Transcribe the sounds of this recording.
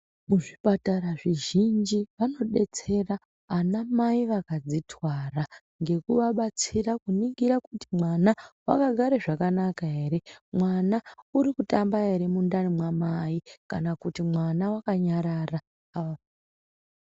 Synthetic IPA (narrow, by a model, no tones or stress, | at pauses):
muʐipataɾaʐiʒind͡ʒiʋano̞ɗe̞t͡se̞raː | namaiʋakad͡zitwara | ŋɡe̞kuʋaɓat͡sirakuniɡiɾakutimwanawa̰kaɡʱaɾeʐakanakaɦe̞ːɾe̞mwanauɾikutambaɦe̞ɾe̞mundanimwamaikanakutimwanawakaɲaɾara | a